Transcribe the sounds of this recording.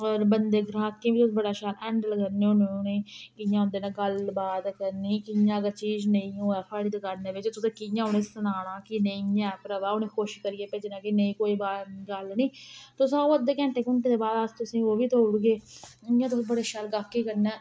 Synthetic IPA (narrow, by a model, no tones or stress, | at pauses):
ɔːɾbənd̪eːɡɾaːkːẽːʋiːt̪ʊsbəɽaːʃaːlɛ̃ːɳɖləɡənẽːʊnneːkɪjãːɦʊ̃nd̪eːnãːɡəlbaːd̪kəɾniːkɪjãːɡət͡ʃiːd͡ʒnəĩːõːɛːpʰaːɽiːd̪ekaɾneːʋɪt͡ʃt̪ʊsẽːkɪjãːʊnẽːsənaːɽãːkinəĩɛːpɾəʋaːʊnẽːkoːʃkəɾiːeːpeːd͡ʒɪnãːkinəĩːkoːiːbaɡəlnĩːt̪ʊsãːoːəd̪ːeːkɛ̃ːɳʈeːkʊɳʈẽːd̪eːbaːd̪ast̪ʊsĩːoːʋiːt̪oːɽɡeːjãːt̪̬ʊsbəɽeːʃaːlɡaːkːiːkəɾnɛː